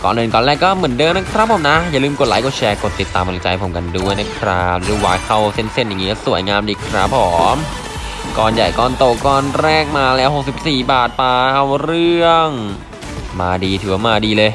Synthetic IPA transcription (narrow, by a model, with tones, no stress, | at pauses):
kɔ̰ː˨˩nːɤː˧nkɔː˧˨nlɛː˥˩kːɔː˥˩mɯ˩˦əndɤː˧na˦˥kʰɾa˦˥pʰːo˨˩˦mna˦˥ja˨˩lɯː˧mko˨˩t̪̚laː˨˦jko˨˩t̪̚t͡ɕʰɛː˧ko˨˩t̪ːi˨˩t̪ːaː˧mːa˧lt͡ɕa˧jpʰo˩˦mka˧ndu˥˩əjna˦˥kʰɾa˦˥pɾɯː˨˦waː˨˩kʰa˥˩wse˥˩nse˥˩nja˨˩ŋːiː˦kɔː˥˩su˨˩˦əjŋaː˧mdiː˧˩kʰɾa˦˥pʰːo˨˩˦m | kɔː˧nja˨˩jkɔː˧nt̪o˨˩kɔː˧nɾɛː˥˩k̚maː˧lɛː˦˥who˨˩k̚si˨˩p̚siː˨˩baː˨˩t̪̚paː˧ʔa˧wɾɯ˥˩əŋ | maː˧diː˧t̪ʰɯː˨˩˦wa˧˦maː˧diː˧lɤː˧j